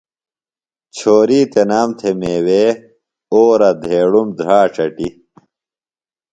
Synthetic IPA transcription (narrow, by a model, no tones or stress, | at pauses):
t͡ɕʰoːɾiːt̪enaːmt̪ʰemeːweː | oːɾɐd̪ʱeːɽumd̪ɾaːʈ͡ʂɐʈi